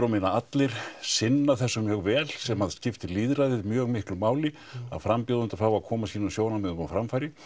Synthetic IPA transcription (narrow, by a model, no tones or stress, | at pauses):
ɾawmɪnaat̪lɪɾ̥sɪnːaθɛsːʏmjœɣvɛːlsɛmhaðscɪft̪ɪliːðɾaðɪðmjœːɣmɪhklʏmaːwlɪ | a̰ðfɾampjɔːðʏnt̪aɾfaːwaðkʰɔːmasiːnansjoːwnamɛðʏfɾamfajɾɪ